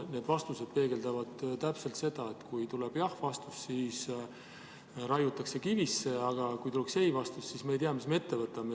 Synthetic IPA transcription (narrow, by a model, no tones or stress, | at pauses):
ne̞ːd̪vɑst̪use̞d̪̥̚pe̞ːɡe̞ld̪ɑvɑd̪̥t̪æpse̞lt̪se̞d̪̥ɑe̞t̪kujt̪uleb̥jɑhvɑst̪u̥ssiːs | ɾɑjut̪ːˑɑkse̞kivisːe̞ɑɡ̥ɑkujt̪ulekse̞jvɑst̪ussismejt̪iɑmismeet̪ːe̞vɤt̪ːˑɑme